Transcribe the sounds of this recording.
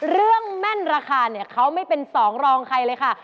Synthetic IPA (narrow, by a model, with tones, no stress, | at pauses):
ɾɯ˥˩əŋmɛ˥˩nɾaː˧kʰaː˧ni˥˩ɐkʰa˦˥wma˥˩jpe˧nsɔː˩˦ŋɾɔː˧ŋkʰa˧jlɤː˧jkʰa˥˩